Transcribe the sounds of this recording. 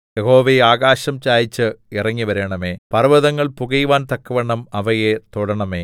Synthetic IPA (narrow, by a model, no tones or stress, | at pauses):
jeho̞ːʋejaːɣaːɕɐmt͡ɕaːjit͡ɕːɨirɐŋːiʋɐɾeːɳɐme̞ːpɐrʋɐðɐŋːɐɭpuɣɐjʋaːnt̪ɐkːɐʋɐɳːɐmɐʋɐjet̪uɽɐɳɐme̞ː